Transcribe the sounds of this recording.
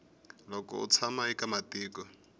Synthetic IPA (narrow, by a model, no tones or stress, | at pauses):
lɔkɔ̰ṵt͡sʰamaikamatiːkɔ